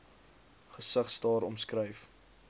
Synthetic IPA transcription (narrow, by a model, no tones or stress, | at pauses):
χəsəχsdɑːɾɔmskrəjf